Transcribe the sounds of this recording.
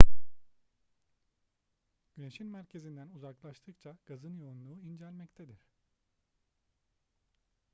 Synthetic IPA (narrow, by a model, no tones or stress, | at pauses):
ɟ̥yne̞ʃinmæɾcʰe̞zind̪ænuzaklˠaʃt̪ʰɯkt͡ʃʰaɡ̥azɯnjo̞unlˠuːind͡ʒælʲmɛct̪ʰed̪iɾ̥